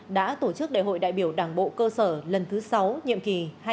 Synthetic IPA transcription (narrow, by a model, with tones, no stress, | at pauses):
ɗa̰ː˧˥t̪o˧˩t͡ɕɨ˦˥k̚ɗa̰ː˧˨jɦo̰˧˨jɗa̰ː˧˨jɓi˧˩əwɗaː˧˩ŋɓo̰˧˨kəː˧səː˧˩lə˨˩nt̪ʰɨ˨˦sa˨˦wɲḭ˧˨əmki˨˩ha˧